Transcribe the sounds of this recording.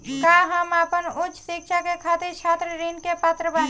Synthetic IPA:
kaɦəmapənʊt͡ʃːsikʃʰakekʰat̪iɾt͡ʃʰaːt̪ɾɾinkepat̪ɾəba

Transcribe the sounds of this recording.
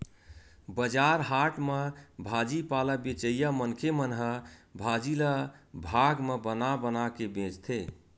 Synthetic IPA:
bəd͡ʒaɾɦaʈmebʱad͡ʒipaləbet͡ʃəjamənkʰemənɦəbʱad͡ʒiləbʱaɡmebənabənakebẽd͡ʒt̪ʰe

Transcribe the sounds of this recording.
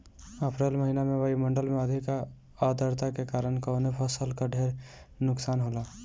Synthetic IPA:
əpɾelməɦinamẽʋəimə̃ɳɖəlmeəd̪ʱika | ad̪əɾt̪akekaːɾənkəʊnepʰəsəlkaɖʱeːɾnʊksaːnɦolaː

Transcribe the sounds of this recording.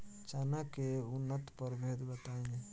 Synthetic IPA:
t͡ʃanakeunːət̪pəɾbʱed̪bət̪aĩ

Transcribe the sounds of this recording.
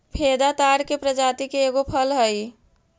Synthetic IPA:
pʰed̪at̪aɾkepɾəd͡ʒat̪ikeːɡopʰəlɦəj

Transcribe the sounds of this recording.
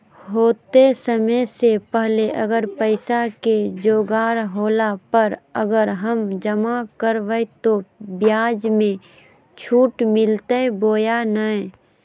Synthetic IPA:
ɦoːt̪esəməsepəɦleʔəɡəɾpəɪsaked͡ʒoːɡaːɾɦoːlapəɾəɡəɾɦəmd͡ʒəmakəɾʋəjt̪objaːd͡ʒmẽ | t͡ʃʰuːʈmɪlt̪əeboːjanəɛ̃

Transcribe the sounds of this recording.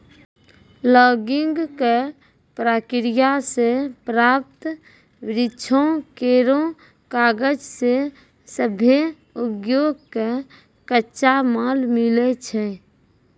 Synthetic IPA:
lɔːɡiŋɡke | pɾaːkɾijasepɾap̚t̪ | ʋɾɪt͡ʃʰõkeɾõ | kaːɡəd͡ʒse | səbʱe | upjoɡ̚ke | kətːʃamalmilet͡ʃʰɛ

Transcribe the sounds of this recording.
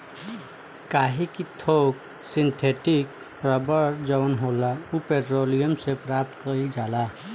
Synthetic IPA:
kaːɦikit̪ʰoːk | sɪnt̪ʰeːʈɪk | pɾəbəd͡ʒəʋnɦolaupeʈɾoːlijəmsepɾaːp̚t̪kəɾid͡ʒaːla

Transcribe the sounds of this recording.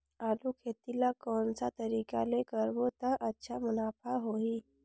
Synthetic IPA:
alukʰet̪ilakɔnt͡sat̪əɾika̰lekəɾbot̪aʔətːɕʰamunafaɦoi

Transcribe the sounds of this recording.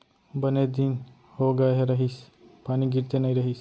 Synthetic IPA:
bəned̪iːn | hoɡaɦeɾəɦis | paɽ̃iɡiɾt̪enaiɾəɦis

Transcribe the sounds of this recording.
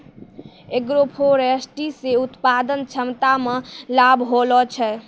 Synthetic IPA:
ekɾopʰoɾesʈiseut̪pad̪ənt͡ʃʰəmt̪amelabʱɦolɔt͡ʃʰɛ

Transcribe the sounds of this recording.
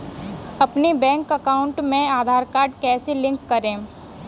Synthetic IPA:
ɐpnebɛ̃ːŋkɐkaːʊ̃ɳʈmẽaːd̪ʱaːɾkaːɾɖkɛːselɪ̃ŋkːɐɾẽː

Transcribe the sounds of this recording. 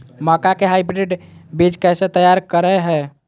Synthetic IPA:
məkakeɦajbɾeɖbid͡ʒkɛjsẽt̪əjaɾkəɾɛɦɛ

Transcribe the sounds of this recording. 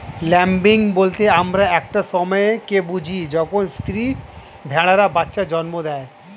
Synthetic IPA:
lɛmbiŋbolt̪eamɾaɛk̚ʈasɔmɔekebud͡ʑʱid͡ʑɔkʰonst̪ɾi | bʱɛɭaɾabatːʃad͡ʑɔnmod̪ɛe

